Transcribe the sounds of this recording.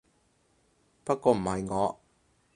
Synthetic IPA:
pɐ˥t̚kːɔː˨˧m̩˨˩hɐ˨jŋɔː˨˧

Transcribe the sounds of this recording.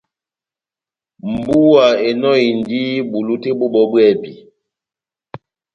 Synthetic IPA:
m̩˨bu˦wa˨e˨nɔ˦i˨ndi˦ɓu˨lu˦te˦ɓo˦ɓɔ˦bwɛ˦˨pi˨

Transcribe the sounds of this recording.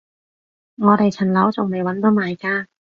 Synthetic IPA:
ŋɔː˨˧t̪e˨jt͡sʰɐ˨˩nlɐ˨˥wt͡sʊ˨˩ŋme˨˩jwɐ˨˥nt̪o˨˧˥maː˨jkaː˧

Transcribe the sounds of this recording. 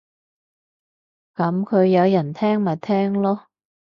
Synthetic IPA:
kɐ˨˥mkʰɵ˨˧ɥjɐ˨˧wjɐ˨˩nt̪ʰɛː˥ŋmɐ˨˩t̪ʰɛː˥ŋlɔː˥

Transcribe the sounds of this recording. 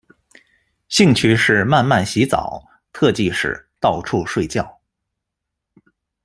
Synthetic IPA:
ɕi˥˧ŋt͡ɕʰy˥˧ʂɻ̩˥˧ma˥˧nma˥˩nɕi˧˥t͡sɑ̰˨˩˦ʊ | t̪ʰɤ˥˧t͡ɕi˥˧ʂɻ̩̰˥˩t̪ɑ˥˧ʊʈ͡ʂʰu˥˧ʂwe˥˧ɪt͡ɕjɑ˥˩ʊ

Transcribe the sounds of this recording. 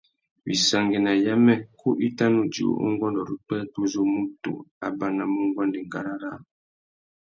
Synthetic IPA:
bi˨sa˨ŋɡi˨na˨ja˦mɛ˦kʰu˦ʔi˦ta˦nu˦d͡ʒḭ˨o̰˦ʔo̰˦ŋ˦ɡwɔ˦ndɔ˨ɾi˦k͡pɛ˦tu˦zo˦mu˦tṵ˨a̰˨ba˦na˨mu˦ŋ˦ɡwa˦ndi˨ŋɡa˨ɾa˦ɾa˦˨

